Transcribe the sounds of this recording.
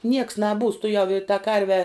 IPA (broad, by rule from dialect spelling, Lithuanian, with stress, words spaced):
nʲiɛks nɐˈbuːs tʊˈjɛʊ ɪ tɐ ˈkɐrʲʋʲɛ